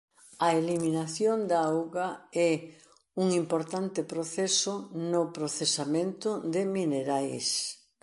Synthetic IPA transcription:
ɐeliminaθjond̪aawɣɐɛ | uŋimpoɾt̪ant̪ɪpɾoθɛsʊnʊpɾoθesamẽnt̪ʊd̪ɪmineɾajs

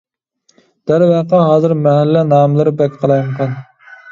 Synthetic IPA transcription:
d̪̥æɾwæqɑɦɑːzɨɾmɛɦælːɛnɑːmlˠɨɾɨbɛkʲqʰəlˠɑjmqʰɑn

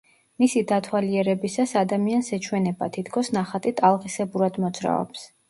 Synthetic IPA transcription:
misid̪at̪ʰwaliɛɾɛbisasad̪amiansɛt͡ʃʰwɛnɛba̰t̪ʰit̪ʰkʰɔsnaχat̪ʼit̪ʼalˠʁʼisɛbuɾad̪mɔd̪z̥ɾa̰ɔ̰ps

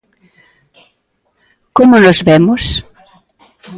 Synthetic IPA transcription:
komonozβɛmos

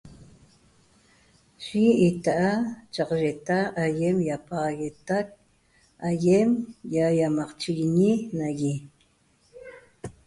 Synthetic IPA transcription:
ʃiːt̪aʔat͡ʃaqʒet̪aʔːjemjapɑʁɑɣet̪ak̚ | ajemjajamɑqt͡ʃiɣiɲinaɣi

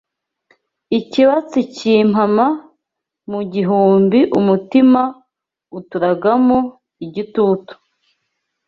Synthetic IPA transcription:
iciβat͡sicim̥hama | muɟiɦuːmbiʔumutima | utuɾaɡamo | iɟituːtu̥

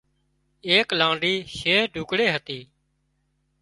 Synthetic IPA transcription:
eːklãːɳɖiːʃeːɖʱuːkɽeːɦət̪iː

